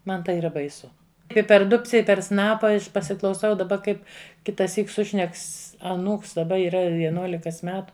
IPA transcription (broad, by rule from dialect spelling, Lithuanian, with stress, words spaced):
ˈmɐn tɐɪ iːˈrɐ bɐɪˈsʊ ˈɪ pʲɛr ˈdʊpʲt͡sʲɛ ˈɪ pʲɛr ˈsnɑːpɐ pɐsʲɪklˠɐʊˈsɐʊ dɐˈbɐ ˈkɐɪp kʲɪtɐˈsʲiːk ˈsʊʃʲnʲɛks ɐˈnuːks dɐˈbɐ iːˈrɐ ʋʲiɛˈnuɔlʲɪkɐs ˈmʲæːtʊ